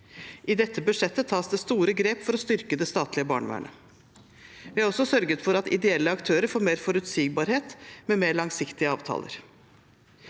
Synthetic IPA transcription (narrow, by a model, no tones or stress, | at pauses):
ʔɪd̪ɛt̪ːəbʉʂɛt̪ːət̪ʰɑːsd̪ɛst̪uːɾəɡɾeːpfɔɾɔst̪ʏɾkəd̪ɛst̪ɑːt̪lɪəbɑ̰ːɳəʋæ̰ːɳə̰ | ʋɪɑɾɔsːɔsœɾɡət̪fɔɾɑt̪ɪ̰d̪ɛɛlːəɑkt̪ʰøːɾəɾfoːɾmeːɾfɔɾʉt̪siːɡ̚bɑːɾheːt̪mɛmeːɾɭɑŋsɪkt̪ɪəɑ̰ːʋt̪ʰɑ̰ːlə̰ɾ